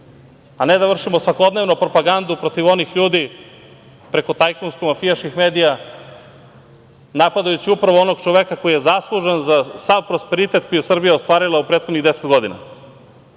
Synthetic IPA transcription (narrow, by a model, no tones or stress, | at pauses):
ane̞d̪aʋr̩ʂimo̞sʋako̞d̪ne̞ʋnupɾo̞paɡand̪upɾo̞t̪iʋo̞nixʎuːd̪i | pɾe̞ko̞t̪ajkonskomafijaʃkixmeːd̪ija | napad̪ajut͡ɕiupɾaʋoo̞no̞ɡt͡ʃoʋe̞kako̞jijezaslˠuʒenzasaʋpɾo̞spe̞ɾit̪e̞t̪koijesr̩bijaost̪ʋaːɾilˠaupɾet̪xod̪niɣd̪eset̪ɡo̞d̪ina̰